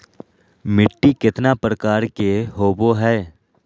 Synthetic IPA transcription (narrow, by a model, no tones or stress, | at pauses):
mɪʈːikɪt̪napɾəkaːɾkeɦoːboɦɛː